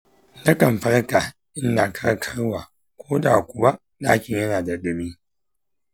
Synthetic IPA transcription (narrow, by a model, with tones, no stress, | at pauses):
lɐ˦kɐ˨m˨ɸɐ˦ɽka˨ | ʔɪ˦nːaː˨kʰɐ˦ɽkʰa˦ɽwaː˨ | kʷoː˦daː˨kʷʊ˨wa˦ | ɗaː˦kʲɪ˨ɲjɐ˦naː˨da˨ɗɪ˦miː˦